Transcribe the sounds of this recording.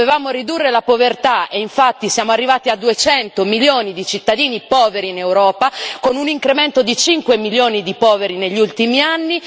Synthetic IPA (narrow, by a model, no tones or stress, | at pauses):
evaːmoɾid̪urːelapovert̪aeiɱfat̪ːisjaːmoarːivaːt̪iad̪ːuet͡ʃɛnt̪omiljoːnid̪it͡ʃit̪ːad̪iːnipɔːveɾiːnewɾɔːpakonuniŋkɾement̪od̪it͡ʃiŋkwemiljoːnid̪ipɔːveɾineʎːult̪imianːi